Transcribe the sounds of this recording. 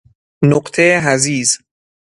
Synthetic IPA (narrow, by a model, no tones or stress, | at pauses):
noqt̪ʰeɦæziːz